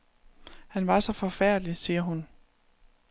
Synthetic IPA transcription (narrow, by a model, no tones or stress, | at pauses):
hænʋɑ̈sɒ̽fɒ̽fæɐ̰d̥lisiːɐɦun